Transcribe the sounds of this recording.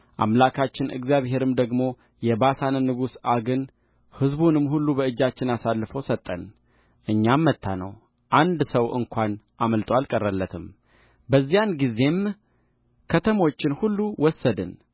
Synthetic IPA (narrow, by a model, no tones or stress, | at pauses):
ʔa̰mlakʰat͡ʃːɪnʔɨ̰ɡzjaβɦe̞ɾɨmd̪əɡmo̞ | jɛbasanɨnːɨɡusaɡɨn | hɨzbunɨmːhulːubəɨd͡ʒːat͡ʃːɪnasalːɨfəwsət̪ʼːən | ʔɨɲːamːət̪ʰːanə̰w | ʔand̪səwʔɨ̰ŋkʷanʔaməlt̪ʼwalkʼərːəlːət̪ʰɨm | bəzːijanɡize̞m | kʰət̪ʰəmo̞t͡ʃːɪnhulːuwɔsːəd̪ɨ̰n